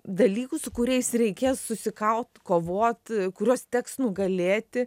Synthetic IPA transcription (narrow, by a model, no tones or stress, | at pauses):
d̪ɐlʲiːkʊsʊkʊɾʲɛɪsrʲɛɪkʲeːssʊsʲɪkɐʊt̪koːʋoːt̪kʊɾʲoːst̪ʲɛksnʊɡɐlʲeːt̪ʲɪ